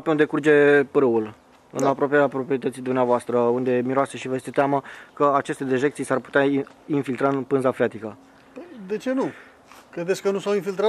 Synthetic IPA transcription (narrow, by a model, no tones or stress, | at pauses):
peund̪e̞kurd͡ʒe̞pɾəul | ɨ̰napɾopeapɾo̞pɾiet̪ət̪sid̪umneavoast̪ɾəund̪e̞miɾoase̞ʃivəjest̪et̪eamakəat͡ʃe̞st̪ed̪iʒekt̪sijsarpu̥t̪eainfilt̪ɾaɨnpɨnzafɾeat̪ikə | d̪e̞t͡ʃe̞nu | kɾe̞d̪esʲkənusawinfilt̪ɾa